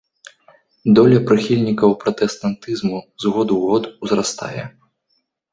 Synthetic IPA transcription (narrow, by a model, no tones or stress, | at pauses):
d̪ɔlʲɐpɾɨxʲilʲnʲikɐwpɾɐt̪ɛst̪ant̪ɨzmuzɣɔd̪uɣɔt̪wzɾast̪a̰jɛ̰